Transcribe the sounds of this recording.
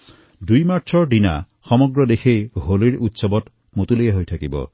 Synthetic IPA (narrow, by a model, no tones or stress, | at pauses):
d̪ujmaɾt͡ʃʰɔɖina̰ | xɔmɔɡɾɔd̪ekʰejɦoliɾut̪sɔbɔt̪ | mot̪ulejaɦojt̪ʰakibɔ̰